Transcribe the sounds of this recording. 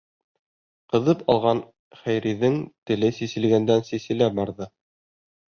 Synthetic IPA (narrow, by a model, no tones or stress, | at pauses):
qɤ̆ðɤpɑlˠʁɑn | χæjɾiðɘŋt̪ɘ̆lɘsisɘ̆lɡænd̪ænsisɘ̆læbɑɾðɤ